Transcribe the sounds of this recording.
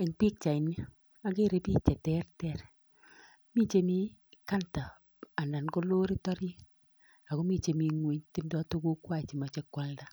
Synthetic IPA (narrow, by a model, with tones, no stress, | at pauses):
e˨ŋpi˦k̚t͡ʃa˨i˨ni˦ | a˨˦ke˦ɾe˦piː˦t͡ʃɛ˨tɛ˦rtɛ˦ɾ | mi˦t͡ʃe˦mi˦ka˦ntaː˨ | na˨nko˦lo˦ɾi˦tɔ˦ɾi˦ | a˨ko˦mi˦˨t͡ʃe˨mi˨ŋwe˨˦ɲti˦mdɔ˦to˦ko˦kwa˦˨t͡ʃi˨ma˨t͡ʃe˨˦kwa˦lda˦